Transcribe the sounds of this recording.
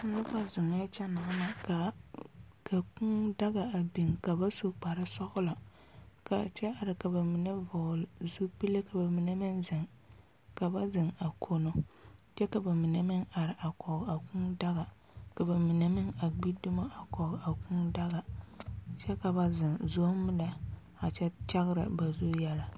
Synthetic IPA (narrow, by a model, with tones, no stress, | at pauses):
nʊ˦pa˦zɪ˨ŋa˦t͡ʃɛ˦na˨˦ma˨ka˨ | kʰa˨ku˦ŋda˦ɣa˨a˨bi˨ŋka˨ba˦su˦k͡pa˨ɾɪ˦sɔ˦ɣʊ˦la˨ | ka˨t͡ʃɛ˦a˨ɾɪ˨ka˨ba˨mɪ˨nɛ˦vɔ˨lzu˦pi˦le˦ka˨ba˨mɪ˨ne˦mɪ˦nzɪ˨ŋ | ka˨ba˦zɪ˨ŋa˨kʰo˦no˦t͡ʃɛ˦ka˨ba˨mɪ˨nɛ˨mɪ˦ŋa˨ɾɪ˨ʔa˨kɔ˨ɣa˨ku˦ŋda˦ɣa˨ | ka˨ba˨mɪ˨nɛ˦mɪ˦ŋa˨ɡ͡bi˦dʊ˦ma˦ʔa˨kɔ˨ɣa˨ku˦ŋda˦ɣa˨ | t͡ʃɛ˦ka˨ba˦zɪ˨ŋzo˦mɨ˦na˨ | a˨t͡ʃɛ˦t͡ʃa˦ɣɪ˦ɾɨ̰˨ba˨zu˦jɛ˦la˦